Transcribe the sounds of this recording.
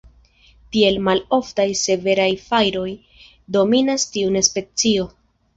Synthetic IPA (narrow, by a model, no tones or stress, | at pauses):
kie̞lmalo̞ftajse̞ve̞ɾajfajɾo̞j | do̞minastiune̞spe̞t͡sio̞